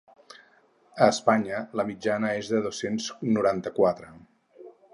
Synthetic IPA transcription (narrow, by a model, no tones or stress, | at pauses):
əːspaɲələmid͡ʒanəezðəðosensnuɾant̪əkwat̪ɾə